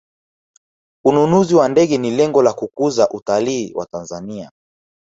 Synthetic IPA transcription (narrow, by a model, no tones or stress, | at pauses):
ununuziwandɛɠɛnilɛŋɡɔlakukuzaʔutaliːwʔa̰tanzania̰